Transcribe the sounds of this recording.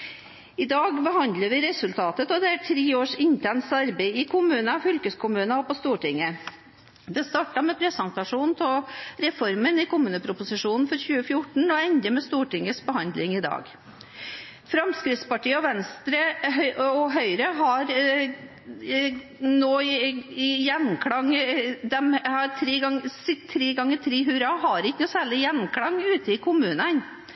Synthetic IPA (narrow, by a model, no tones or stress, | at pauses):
ɪd̪ɑːɡbəɦɑnd̪ləʋɪɾɛsʉlt̪ʰɑːt̪ət̪ɔd̪ɛæʈʰɾeːoːʂɪnt̪ʰɛnsɑɾbeɪɪkʰʊmʉːnɑfʏlkəskʰʊmʉːnɑɔpɔst̪uːʈɪŋːə | d̪ɛst̪ɑːʈɑmɛpʰɾɛsənt̪ɑʂuːnt̪ʰɔɾɛfɔɾmənɪkʊmʉːnəpʰɾʊpʊsɪʂuːnn̩fɔɾçʉːəfjʊʈɳ̩ɔɛnd̪əmɛst̪uːʈɪŋːəsbəɦɑnd̪lɪŋɪd̪ɑ̰ːɡ | fɾɑmskɾɪftspɑʈiːəɔʋɛnst̪ɾəœɔɦœʏɾəɦɑɾ | noː | jɛnkʰɽɑŋd̪ɛmhɑɾt̪ʰɾeːɡɑŋsɪt̪ʰːɾeːɡɑŋːəɾt̪ʰɾiːɦʉːɾɑɦɑɾɪkːənuːsæːɭɪjɛnkʰɽɑŋʉːt̪əɪkʰʊmʉːnən